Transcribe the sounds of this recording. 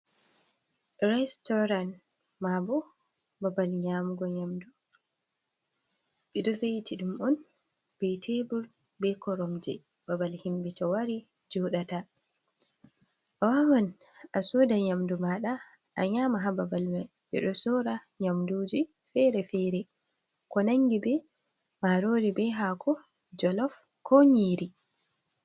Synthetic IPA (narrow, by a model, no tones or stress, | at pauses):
ɗɾɛstɔɾan | mabɔ | babalɲamuɡɔɲamdu | ɓɛɗɔfejitʰiɗumɔn | b̥ɛtʰebul | bɛkɔɾɔmd͡ʒɛ̰ | babalhimbitɔwaɾi | d͡ʒɔɗata | ʔawawanʔasɔːdaɲamdumaɗa | ʔa̰ɲamaɦababalmɛ | ʔɛ̰ɗɔsɔɾa | ɲamduːd͡ʒi | fɛɾɛfɛɾɛ | kɔnaŋɡibɛ | maɾoɾibɛɦakʰɔ | d͡ʒɔlɔf | kʰɔɲiːɾi